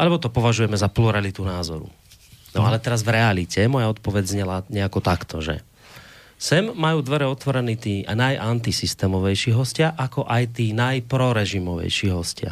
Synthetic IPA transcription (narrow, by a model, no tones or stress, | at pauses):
ʔalɛbɔt̪ɔpɔʋaʒujɛmɛzapluɾalit̪unaːzɔɾṵ | nɔalɛt̪ɛɾazvɾɛalicɛmɔjaɔt̪pɔʋɛɟzɲɛlaɲɛakɔt̪akt̪ʰɔʒɛ̰ | sɛmːajuːd̪ʋɛɾɛɔt̪ʋɔɾɛniːt̪iːanajʔant̪isist̪ɛːmɔʋɛjʃiːɦɔscɪaʔakɔʔajt̪iːnajpɾɔɾɛʒimɔʋɛ̰jʃiːɦɔscɪa̰